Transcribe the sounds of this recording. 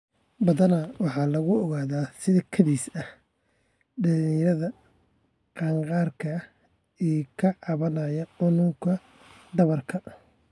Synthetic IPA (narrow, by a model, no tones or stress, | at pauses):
bɐðɐnɐwɑħɑːlɐɣʊɔɣaːðaːsɪðɐkʰɐðiːsɐh | ɖɐniɾɐðɐ | qɑːŋqɑːrkʰɐ | ikʰɐʕɑβɐnɐjɐħʊnʊkʰɐ | d̪ɐβɐrkʰɐ